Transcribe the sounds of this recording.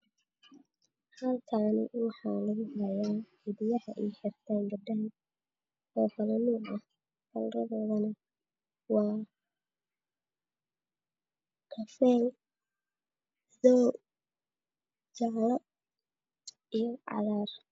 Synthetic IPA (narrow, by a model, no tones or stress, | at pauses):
hɐlkʰaːnɪ̰wɑħɑːlɐɣʊhɐjaː | ɪðɪjɐhɐʔɛjħɪrt̪ʰaːnbɐdaːn | ɔːfɐlɐnɪːʔɐh | kʰɐlɾɐðɔːðɐnɐ | wɑː | kʰɐfɛːl | ðɔː | t͡ʃɑʕlɐ | ijɔʕɑ̰ðaːr